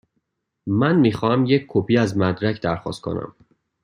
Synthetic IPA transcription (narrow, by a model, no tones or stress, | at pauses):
mænmiːxɒːhæmjecʰkʰːopʰiːæzmæd̪ɾæcʰd̪æɾxɒ̰ːst̪̚kʰo̰næ̰m